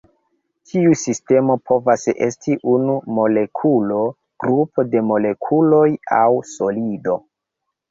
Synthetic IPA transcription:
tʰiusiste̞mo̞pʰo̞vasḛstʰiʔunumo̞le̞kʰulo̞ | ɡ̥ɾupo̞de̞mo̞le̞kʰulo̞ja̰wso̞lido̞

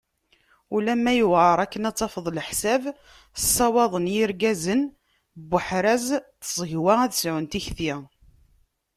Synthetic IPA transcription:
ulæmːæjuwʕəɾˤækːənɑt͡sːɑfəðˤləħsæv | əsˤːɑwɑðˤənjiɾɡæzən | bːəħɾæzθəzˤəʝwææðsʕʊnt̪içθi

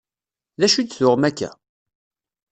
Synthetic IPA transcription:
læʃyt̪θʊʁmækːæ̰

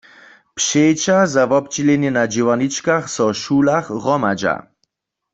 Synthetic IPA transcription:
pʂejt͡ʃazavɔp̚t͡ʃilɛnjɛnad͡ʒiwanit͡ʃkaxsɔʃulaχʁɔmad͡ʒa̰

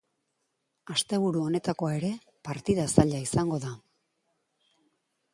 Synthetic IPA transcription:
ast̪e̞β̞uɾuo̞ne̞t̪ako̞ae̞ɾe̞ | paɾt̪iðasaʎaisaŋɡo̞ða

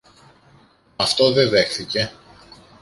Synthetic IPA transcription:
ɐft̪o̞ðe̞ðe̞xθice̞

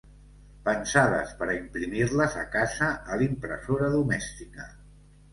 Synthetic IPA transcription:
pənsaðə̰spəɾimpɾimirləzəkazəːlimpɾə̰soɾəðumɛst̪ikə

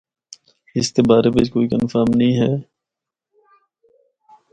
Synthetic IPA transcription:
ɪskebaːɾebekoːikənfaːmnəɦĩːɦɛː

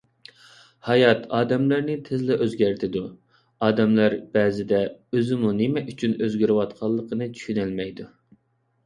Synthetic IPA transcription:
hɑjɑt̪ɑːd̪ɛmlæɾnɪt̪ʰɪzlɛʔøzɡʲæɾt̪ʰɪd̪u | ɑːd̪ɛmlæɾbɛːzɪd̪ɛøzɪmunɪmɛʔyt͡ʃʰynøzɡʲyɾɪwɑt̪qʰɑlˠːəqʰənɨt͡ʃʰy̥ʃynɪlmɛjd̪u

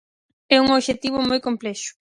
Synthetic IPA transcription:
ɛuŋoβʃet̪iβʊmojkomplɛʃʊ̥

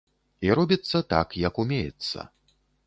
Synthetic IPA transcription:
iɾɔbʲit̪sːɐt̪a̰kjɐkumʲejɛt̪sːɐ̰

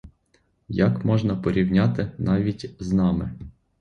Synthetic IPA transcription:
jɐkmɔʒnɐpɔɾʲiwnʲɑt̪ɪnɑʋʲitʲznɑmɪ̰

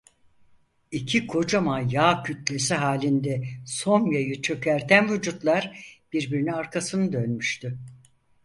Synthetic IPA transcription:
icʰikʰo̞d͡ʒamajaːcʰyt̪lʲe̞siɦaːlʲind̪ɛso̞njajɯt͡ʃʰø̞cʰæɾt̪ʰænvud͡ʒut̪lˠaɾb̥iɾbiɾinaɾkʰasɯnɯd̪ø̞nmyʃt̪ʰy

